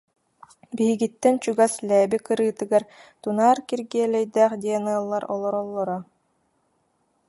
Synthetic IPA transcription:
biɦiɡit̪ːɛnt͡ɕuɡaslɛːbikɯɾɯːt̪ɯɡaɾt̪unaːɾkiɾɡiɛlɛjd̪æːχd̪iɛnɯɐlˠːaɾɔ̰lˠɔɾɔlˠːɔɾɔ

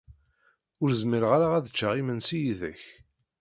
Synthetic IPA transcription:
ʊɾzmiɾʁaɾaʁæðət͡ʃːaʁimənsijiðæç

